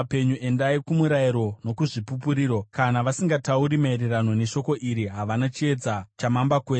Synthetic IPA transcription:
pe̞ɲue̞ndaikumuɾaiɾo̞no̞kuʐipupuɾiːɾo̞kanaʋasiŋɡatauɾimaiɾerano̞ne̞ʃo̞ko̞ʔiɾiɦaʋanat͡ʃie̞d͡zat͡ʃamambakwe

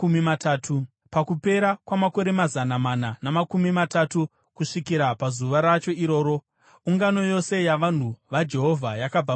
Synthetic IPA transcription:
umimataːtʰu | pakupe̞ɾakwamako̞ɾe̞mazanamananamakumimatatu | kuʂikiɾapazuʋaɾat͡ʃo̞iɾo̞ːɾo | uŋɡano̞jo̞se̞jaʋan̤uʋad͡ʒe̞ɦo̞vʱajakab͡va

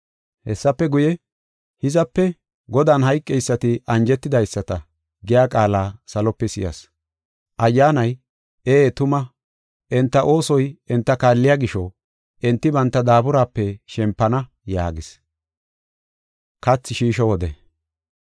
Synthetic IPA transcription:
hɛsːɐpːɛɡʊjɛ | hɪzɐpːɛ | ɡɔd̪aːnhɐjkʼːɛjsːɐt̪ɪʔɐnd͡ʒɛt̪ːɪd̪ɐjsːɐt̪ɐ | ɡɪjaːkʼaːlaːsɐlɔpːɛsɪ̰jɐ̰s | ʔɐjːaːnɐj | eːt̪ʊmɐ | ʔɛnt̪ːɐʔo̞ːsɔjɛnt̪ːɐkaːlːɪjaːɡɪʃɔ | ʔɛnt̪ːɪbɐnt̪ːɐd̪aːbʊɾaːpːɛʃɛmpːɐnɐ | ja̰ːɡɪs | kɐt͡sːɪʃiːʃɔwɔd̪ɛ̰

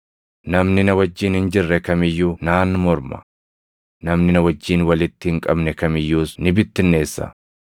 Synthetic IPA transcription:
nɐmnɪnɐwɐd͡ʒːiːnhɪnd͡ʒɪrːɛkɐmɪjːuːnaːnːmɔɾmɐ̰ | nɐmnɪnɐwɐd͡ʒːiːnwɐlɪt̪ːɪhɪŋkʼɐbnɛkɐmɪjːuːsnɪbɪt̪ːɪnːe̞ːsːɐ̰

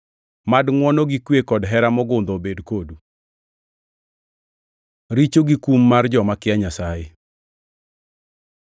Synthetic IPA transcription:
madŋwɔnɔɡikwekɔdɦɛɾamɔɡʊnd̪obedkodu | ɾit͡ʃoɡikumːard͡ʒɔmakɪaɲasaje

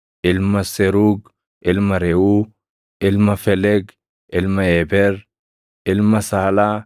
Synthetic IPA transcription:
ʔɪlmɐsɛɾuːɡ | ʔɪlmɐɾɛuː | ʔɪlmɐfɛlɛɡ | ʔɪlmɐɛbɛɾ | ʔɪlmɐsaːla

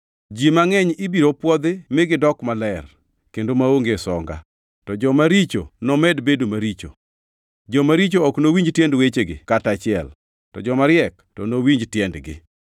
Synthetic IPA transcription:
d͡ʒimaŋɛɲibiɾopwɔd̪ɪmɪɡɪdɔkmalɛr | kendomaoŋɡesɔ̰ŋɡa̰ | tɔd͡ʒɔmaɾit͡ʃo̰nɔmɛdbedomaɾit͡ʃo̰ | d͡ʒɔmaɾit͡ʃoɔknowiɲd͡ʒtjɛndwet͡ʃeɡɪ̰katat͡ʃɪɛ̰l | tɔd͡ʒɔmaɾɪɛk | tɔnowiɲd͡ʒtjɛndɡɪ̰

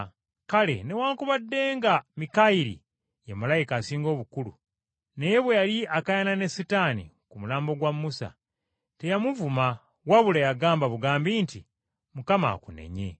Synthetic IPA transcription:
kale̞̰ne̞waːŋkuβadːe̞ːŋɡamikaiɾḭ | jemalajikaːsiːŋɡo̞ːβukulṵ | ne̞je̞βwe̞jaliakajanane̞sitaːnḭ | kumulaːmbo̞ɡwamːusa̰ | te̞jamuvuma | waβulejaɡaːmbaβuɡaːmbiːnti | mukama̰ːkune̞̰ɲe̞̰

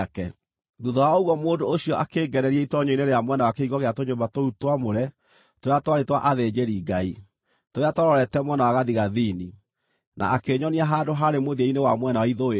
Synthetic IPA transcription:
kɛ | ðuðɔwaoɣwɔmoːndooɕiɔʔakeːɡɛɾɛɾiɛitɔɲoineɾeamwɛnawakeiɣɔɣeatoɲoːmbatoutwamoɾɛ | toɾeatwaɾetwaʔaðed͡ʑeɾiːɡai | toɾeatɔɾɔɾɛtɛmwɛnawaɣaðiɣaðiːni | na̰akeɲɔniaɦaːdoɦaɾemoðieinewamwɛnawaiðoe

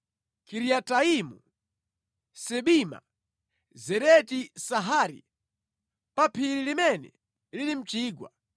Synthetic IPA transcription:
kʰiɾiataimu | sɛɓima̰ | zɛɾɛtisaɦaːɾḭ | papʰiɾilimɛnɛ̰ | lilim̩t͡ʃiːɡwa̰

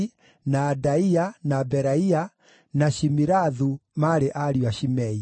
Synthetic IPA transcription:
naːdaianabɛɾaia | naʃimiɾaðumaɾeʔaɾiwaʃimɛi

